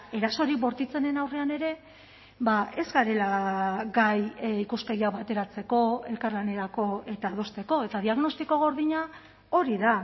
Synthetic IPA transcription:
e̞ɾaso̞ɾibo̞ɾt̪it͡se̞ne̞nawre̞ane̞ɾe̞ | bae̞zɡaɾe̞laɡajikuske̞ɣiaβat̪e̞ɾat͡se̞ko̞e̞lkaɾlane̞ɾako̞e̞t̪aːðo̞st̪e̞ko̞e̞t̪að̞iaɣno̞st̪iko̞ɣ̞o̞ɾðiɲa | o̞ɾiða

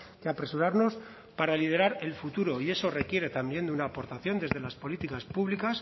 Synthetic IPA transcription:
keapɾe̞suɾaɾno̞s | paɾalið̞e̞ɾaɾe̞lfut̪uɾo̞ie̞so̞re̞kje̞ɾe̞t̪ambje̞nd̪unaːpo̞ɾt̪aθjo̞nd̪e̞zðe̞laspo̞lit̪ikaspuβlikas

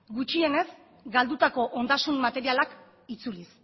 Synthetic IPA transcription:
ɡut͡ʃie̞ne̞z | ɡald̪ut̪ako̞ʔo̞nd̪asunmat̪e̞ɾialak | it͡sulis

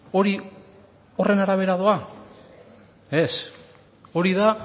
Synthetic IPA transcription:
o̞ɾi | o̞re̞naɾaβ̞e̞ɾaðoa | e̞s | o̞ɾiða

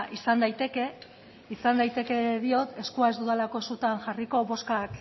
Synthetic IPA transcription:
ʔisand̪ajt̪e̞ke̞ | isand̪ajt̪e̞ke̞ðio̞t̪e̞skuaezd̪uðalako̞esut̪anʝariko̞βo̞skak

